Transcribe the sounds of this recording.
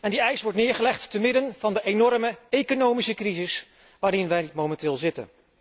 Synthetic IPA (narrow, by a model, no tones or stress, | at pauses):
ɛndiɛjsʋɔɹtnɪːɹχəlɛχtːəmɪdənvɑndəʔejnɔɹməejkonowmisəkrizɪs | ʋaːɾɪnʋɛjmomɛntɪːlˠzɪtə̰n